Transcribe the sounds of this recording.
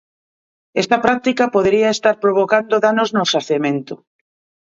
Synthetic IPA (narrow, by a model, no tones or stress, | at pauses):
est̪ɐpɾak̚t̪ikapoð̞eɾiaest̪aɾpɾoβ̞okand̪oðanoznosaθemẽnt̪o